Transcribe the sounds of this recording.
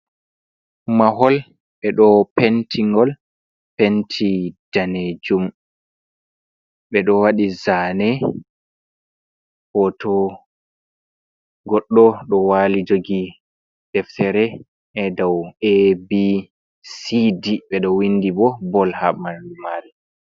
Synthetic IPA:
maɦɔl | ɓɛɗɔpentʰiŋɡɔl | pentʰid̥aned͡ʒum | ɓɛɗɔwaɗizanɛ | hɔtɔ | ɡɔɗːɔɗɔwalid͡ʒoɡi | dɛftɛɾɛ | ʔɛdawebi | sidiɓɛɗɔwindibɔbɔlhamamal

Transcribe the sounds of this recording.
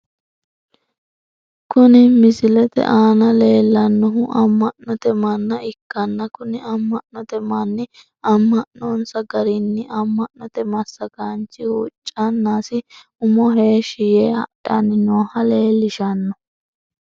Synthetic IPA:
kʊnɪmɪsɪlɛt̪ɛ̰ʔaːnɐle̞ːlːɐnːɔɦʊʔɐmːɐʔnɔt̪ɛmɐnːɐɪkːɐnːɐkʊnɪɐmːɐʔnɔt̪ɛmɐnːɪ | ɐmːɐʔnɔnsɐɡɐɾɪnːɪʔɐmːɐʔnːɔt̪ɛmɐsːɐɡant͡ʃːɪut͡ʃʼːɐnːaːsɪ | ʊmɔɦe̞ːʃɪjeːhɐ̰ᶑɐnːɪnoːhɐle̞ːlːɪʃɐnːɔ

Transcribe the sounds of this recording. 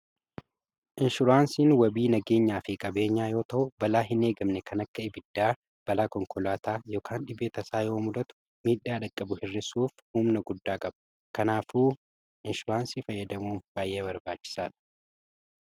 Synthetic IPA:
ʔɪnʃʊɾaːnsiːnwɐbiːnɐɡe̞ːɲːaːfɪkʼɐbe̞ːɲːaːjo̞ːt̪ɐʔʊbɐlaːɦɪne̞ːɡɐmnɛkʰɐnɐkːɐɪbɪd̪ːaː | b̥ɐlaːkɔŋkɔlaːt̪ʰaːjo̞ːkʰaːnɗɪbeːt̪ɐsaːjo̞ːmʊd̪ɐt̪ʊ̥ | miːᶑaːɗɐkʼːɐbʊhɪrːɪsuːfhuːmnɐɡʊd̪ːaːkʼɐb̥ɐ̥ | kɐnaːfuː | ʔɪnʃʊɾaːnsifɐjːɐd̪ɐmuːnb̥aːjʔeːbɐɾbaːt͡ʃːɪ̥saːᶑɐ̥

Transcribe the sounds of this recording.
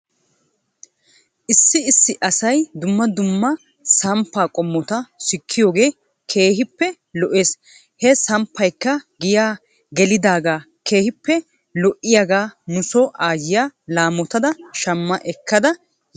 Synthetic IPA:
ʔɪsːɪɪsːɪʔɐsɐjd̪ʊmːɐd̪ʊmːɐ | sɐmpːaːkʼɔmːɔt̪ɐsɪkʰːɪjoːɡe̞ː | kʰe̞ːhɪpːɛ | lɔʔeːs | hɛsɐmpːɐjkːɐɡɪjaː | ɡɛlɪd̪aːɡaː | ke̞ːhɪpːɛ | lɔʔɪjaɡaːnʊsɔʔaːjɪjaːlaːmɔt̪ɐd̪ɐʃɐmːɐʔɛkːɐd̪ɐ

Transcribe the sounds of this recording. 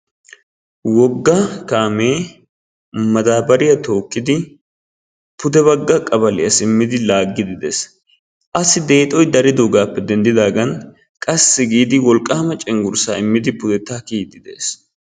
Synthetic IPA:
wɔɡːɐkaːme̞ː | mɐd̪aːbɐɾɪjɐt̪o̞ːkʼːɪd̪ɪ | pʊd̪ɛβɐɡːɐkʼɐbɐlɪ̰jɐsɪmːɪd̪ɪlaːɡːɪd̪ɪd̪e̞̰ːs | ʔɐsɪd̪e̞ːt̪ʼɔjd̪ɐɾɪd̪oːɡaːpːɛd̪ɛnd̪ɪd̪aːɡɐn | kʼɐsːɪɡiːd̪ɪwɔlkʼːaːmɐt͡ʃʼɛŋɡʊɾsa̰ːɪmːɪd̪ɪpʊd̪ɛt̪ːaːkiːt̪ːɪd̪e̞̰ːs

